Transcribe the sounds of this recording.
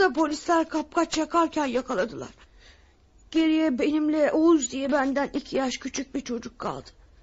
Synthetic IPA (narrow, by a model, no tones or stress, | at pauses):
d̪apʰo̞lʲislʲæɾkʰap̚kʰat͡ʃjakʰaɾcʰænjakʰalˠad̪ɯlˠa̰ɾ̥ | ɟ̥e̞ɾijɛbe̞nimlʲɛʔouzd̪ijɛbænd̪ænicʰijaʃcʰyt͡ʃʰyc̚biɾt͡ʃʰo̞d͡ʒukʰːa̰lˠd̪ɯ̥